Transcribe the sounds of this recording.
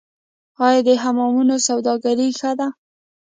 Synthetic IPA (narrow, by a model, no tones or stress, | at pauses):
ɑjd̪əɦamɑmunosawd̪ɑɡaɾixəd̪a